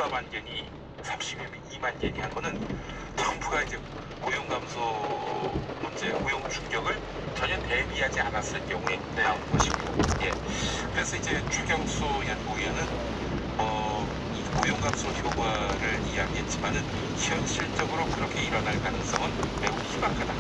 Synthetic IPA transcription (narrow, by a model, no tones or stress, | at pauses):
amanɡʌɲi | sʰamɕʰibjʌmʌnimanɡjʌɲiɦanɡʌnɯn | tʌmbuɡaid͡ʑe̞ | kojoŋɡamsʰo | mʌnd͡ʑe̞kojoŋt͡ɕuŋɡjʌɡɯɭ | t͡ɕʌɲʌte̞biɦad͡ʑianas͈ɯɭkjʌŋɦue̞nanɯnɡʌɕʰimjoje̞kɯɾe̞sʰʌid͡ʑe̞t͡ɕuɡjʌŋs͈ojanhoiʌnɯn | ʌ | ikojoŋɡamsʰoçjoɡwaɾɯɭijaɡiɦe̞t̚t͡ɕ͈imanɯn | çjʌŋɕʰiɭt͡ɕ͈ʌɡɯɾokɯɾʌkʰe̞iɾʌnaɭkanɯŋs͈ʌŋɯnme̞uɕʰimakʰada